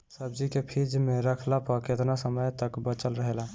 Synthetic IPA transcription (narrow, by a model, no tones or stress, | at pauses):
səb̚d͡ʒikepʰid͡ʒmeɾəkʰlapəɾket̪nasəməjt̪əkbət͡ʃəlɾəɦela